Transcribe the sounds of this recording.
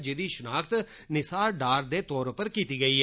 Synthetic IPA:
d͡ʒɪd̪iʃənaːkʰt̪ | nɪsaːɾɖaːɾd̪eːt̪ɔːɾpəɾkiːt̪iːɡɐiːɦɛː

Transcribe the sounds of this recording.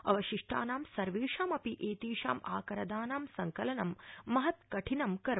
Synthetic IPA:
ɐ̰ʋɐʃiʂʈʰa̰ːnaːmsɐɾʋiːʂaːmɐpiʔeːt̪iːʃa̰ːma̰ːkɐɾɐd̪aːnaːmsɐŋkɐlɐnɐmːɐɦɐt̪kɐʈʰinɐmkɐɾ

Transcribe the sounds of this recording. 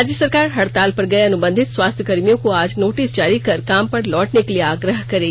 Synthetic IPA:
aːd͡ʒjəsɐɾkaːɾɦɐɽt̪aːlpɐɾɡɐeɐnʊbə̃nd̪ʱɪt̪swaːst̪ʰjəkɐɾmijõkoaːd͡ʒnoːʈisd͡ʒaːɾikɐɾkaːmpɐɾlɔːʈnekelieaːɡɾəɦkɐɾeːɡ

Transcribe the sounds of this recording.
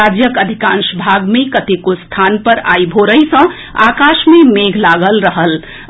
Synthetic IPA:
ad͡ʒjəkəd̪ʱikãnsbʱaɡmekət̪ekost̪ʰanpəɾa̰jbʱoɾəjsə̃ | a̰kaʃmemeɡʱlaɡəlɾəɦəl

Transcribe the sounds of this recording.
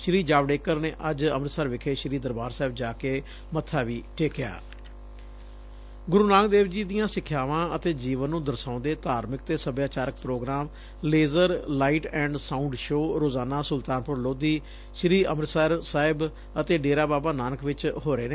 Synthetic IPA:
ʃɾiːd͡ʒaːʋɖeːkəɾneːʔəd͡ʒəmɾəsəɾʋɪkʰeːʃɾiːd̪əɾbaːɾsaːɪbd͡ʒaːkeː | mət̪ʰːaːʋiːʈʰeːkja̰ː | ɡʊɾuːnãːŋɡd̪eːʋd͡ʒiːd̪ɪjãːsɪkʰːjaːʋãːət̪eːd͡ʒiːʋənːũːd̪əɾsãːnd̪eːt̪aːɾmɪk̚t̪eːsəbjaːt͡ʃaːɾək̚pɾoːɡɾaːm | leːzəɾlaːiʈɛ̃ːɳɖsaːʊɳɖʃoːɾoːzaːnaːsʊlt̪aːnpʊɾloːd̪iː | ʃɾiːəmɾsaːɾsaːɪb | ət̪eːɖeːɾaːbaːbaːnaːnəkʰʋɪt͡ʃɦoːɾeːneː

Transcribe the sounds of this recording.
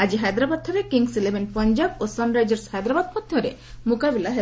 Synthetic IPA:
ad͡ʒiɦajd̪ɾabad̪̚t̪ʰɔɾekiŋɡsilebenpɔɲd͡ʒabosɔnɖɾajd͡ʒɔɾshajd̪ɾabad̪̚mɔd̪ʱjɔɾe | mukabilaɦe

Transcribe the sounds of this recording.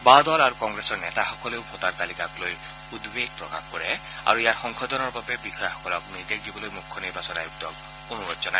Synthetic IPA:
bad̪ɔlaɹukɔŋɡɹesɔɹnɛtaxɔkɔleʊbʱɔt̪aɹt̪alikakloj | ud̪beɡ̚pɹɔkaxkɔɹɛ | a̰ɹuijaɹxɔŋkʰɔd̪ɔnɔɹbabɛbixɔjxɔ̥kɔlɔkniɹd̪eɡibɔlojmukʰːɔniɹbasɔna̰juk̚tɔk | onuɹɔtzɔna

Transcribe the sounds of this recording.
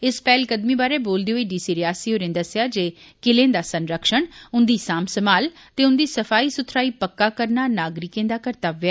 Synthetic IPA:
ɪspɛːlkəd̪mĩːbaːɾeːboːld̪eːɦoiːɖiːsiːɾɪjaːsiːɦoːɾẽːd̪əsɪjaːd͡ʒeː | kɪlẽːd̪aːsənɾəkʃəɳʊnd̪iːsaːmsəmaːlt̪eːʊnd̪iːsəpʰaːiːsʊt̪ʰɾaːiːpəkːaːkəɾnaːnaːɡɾɪkẽːd̪aːkəɾt̪aːʋɛː

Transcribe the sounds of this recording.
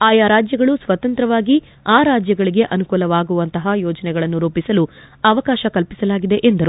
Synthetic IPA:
aːjaːɾaːd͡ʒjɐɡɐɭusʋɐt̪ɐnt̪ɾɐʋaːɡi | aːɾaːd͡ʒjɐɡɐɭiɡe̞ʔɐnukuːlɐʋaːɡuʋɐnt̪ɐɦɐjɔːd͡ʒɐnɛɡɐɭɐnːuɾuːpisɐlu | ɐʋɐkaːʃɐkɐlpi̥sɐlaːɡid̪e̞ʔend̪ɐɾu

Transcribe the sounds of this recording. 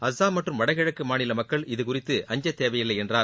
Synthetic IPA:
ɐsːaːmɐʈrɯmʋɐɽɐɣɪɻɐkːɯmaːnɪlɐmɐkːɐɭɪðɯkʊrɪt̪ːɯʔɐɲd͡ʒɐt̪ːeːʋɐjɪlːɐɪɛndraːɾ

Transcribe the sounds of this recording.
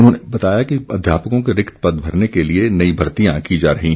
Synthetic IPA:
ʊnɦõːnebɐt̪aːjakiɐd̪ʱjaːpəkõkeɾɪkt̪pɐd̪bʱɐɾnekelienɐibʱɐɾt̪ijãkid͡ʒaːɾɐɦi

